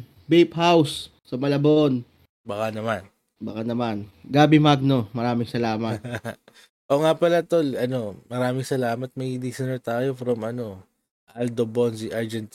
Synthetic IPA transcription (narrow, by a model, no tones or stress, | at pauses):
bejp̚ɦawsː | ɐmɐlɐbon | bɐkanɐman | bɐkanɐmanɡaːbɪmaɡ̚no̞mɐɾaːmɪŋsɐlaːmɐt̪ | ʔoŋapɐlɐt̪olɐno̞mɐɾaːmɪŋsɐlaːmɐt̪̚mɐɡid̪isɐnɛɹt̪aːjofɾɐmɐno̞ | ʔɐld̪obonziʔaɹd͡ʒɛnt̪